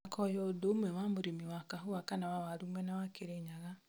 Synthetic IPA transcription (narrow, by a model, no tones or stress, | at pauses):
akʰɔjɔodomwɛwamoɾemiwakaɦoakanawawaɾumwɛnawakeɾeɲaɣa